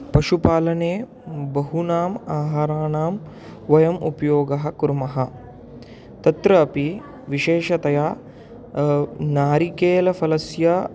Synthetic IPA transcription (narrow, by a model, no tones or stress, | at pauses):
pɐʃupaːlɐneː | bɐɦunaːmaːɦaːɾaːnaːm | ʋɐjɐmṵpɐjoːɡɐɦɐ̆kuɾmɐɦɐ | t̪ɐt̪ɾɐːpi | ʋiʃeːʃɐt̪ɐjaː | naːɾikeːlɐfʰɐlɐsjɐ